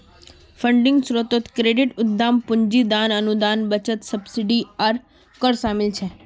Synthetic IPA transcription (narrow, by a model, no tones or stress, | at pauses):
fəɳɖɪ̃ŋɡsɾot̪ot̪kɾeɖiʈʊd̪ːampʊɲd͡ʒid̪anənud̪anbət͡ʃət̪səbsiɖiaɾ | kəɾʃamɪlt͡ʃʰe